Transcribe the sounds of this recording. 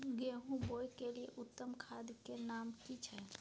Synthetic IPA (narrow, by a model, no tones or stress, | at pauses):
ɡeɦũboːjkeliḛʔʊt̪ːəmkʰaːd̪kenaːmkit͡ʃʰɛ